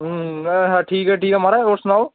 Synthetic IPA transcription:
ɦɛʈʰiːkɦɛʈʰiːkɛmaːɾɛosʊnaːw

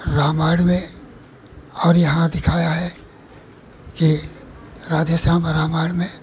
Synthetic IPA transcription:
ɾaːmaːɽmẽ | ɔːɾjɐɦãd̪ɪkʰaːjaɦɛ | ki | ɾaːd̪əʃãːmɾaːmaːɽmẽ

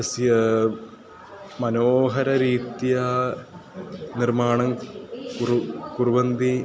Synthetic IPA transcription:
ɐsjɐ | mɐnoːɦɐɾɐɾiːt̪jɐ | nirmaːɳɐmkukurʋɐnd̪i

